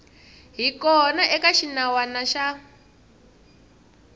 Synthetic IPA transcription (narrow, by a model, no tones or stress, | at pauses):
ɦikɔnaʔɛkaʃinawanaʃa